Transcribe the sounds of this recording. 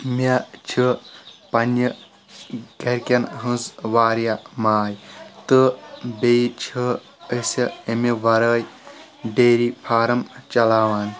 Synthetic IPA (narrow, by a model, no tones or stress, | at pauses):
mɐt͡ʃʰipɐnjə | ɡɐɾkʲɐnɦɨ̃zʋaːɾijamaːjt̪ɨbet͡ʃʰi | əsɐemiʋɐɾəːj | beːɾipʰaːɾɐmt͡ʃɐlaːʋaːn